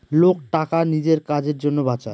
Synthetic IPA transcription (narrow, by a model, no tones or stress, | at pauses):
lok̚ʈakanid͡ʑeɾkad͡ʑeɾd͡ʑonːobat͡ɕae